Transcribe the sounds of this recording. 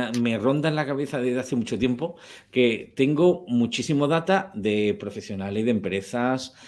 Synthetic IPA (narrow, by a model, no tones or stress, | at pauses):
me̞ro̞nd̪aelakaβ̞e̞θaðeðaθemut͡ʃo̞t̪je̞mpoke̞t̪e̞ŋɡomũt͡ʃisimoðat̪aðe̞pɾo̞fe̞sjo̞naleiðempɾe̞θas